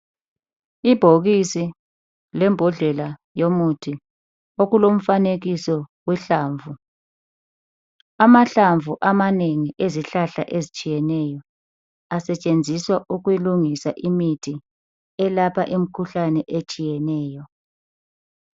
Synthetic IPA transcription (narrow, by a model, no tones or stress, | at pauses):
ib̥ʱoɣisi | lɛmbʱɔɮɛla | jomutʰi | oɣulom̩faneɣisɔwɛɬaːɱvu | amaɬaɱvuʔamaneŋiʔeziɬaɬa̰ʔezit͡ʃʼijɛnɛjɔ | asɛt͡ʃʼend͡zʱiswaʔuɣujiluŋisaʔimitʰi | ɛlapʰaʔim̩kʰuɬanɛʔet͡ʃʼijɛnɛːjɔ